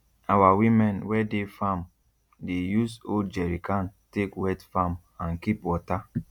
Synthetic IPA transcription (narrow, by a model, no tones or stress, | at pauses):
awawimɛ̃nwɛdefam | dejusod͡ʒɛɾikantekwɛtfam | ãnkipwɔta